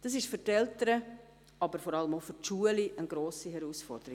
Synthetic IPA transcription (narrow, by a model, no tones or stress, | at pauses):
d̥ɑs̬ɪʃfʏrtɛltəɾə | ɑbəɾfɔɾɑləmofyrtʃuəliʔənɡɾoːsiɦɛɾusfɔrd̥əɾi̥